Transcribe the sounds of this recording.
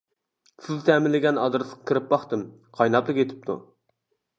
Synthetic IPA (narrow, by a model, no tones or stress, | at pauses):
sɪzt̪ʰɛmɪlɪɡʲɛnɑd̪ɾɨsɨ̥qʰɑ̥kʰʲiɾɪp̚bɑχt̪ɨm | qʰɑjnɑplˠɨkʲet̪ʰɪ̥p̚t̪ʰṵ